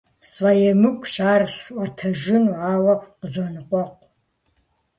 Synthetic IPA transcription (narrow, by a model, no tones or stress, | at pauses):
swajɛmɨkʷʰʼʃaːrsɨʔʷɐtʰɐʒɪnwʕaːwɐqəzɐnɨqʷɔqʷ